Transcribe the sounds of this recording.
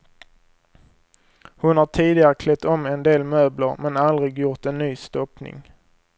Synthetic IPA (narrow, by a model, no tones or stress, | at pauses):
hʊnhaʈʰiːd̪ɪɡaɾəkʰlɛt̪ːɔmːɛnd̪eːlmøːbləɾmɛnald̪ɾɪɡjʊɾt̪ɛnːyːst̪ɔpnɪ̰ŋ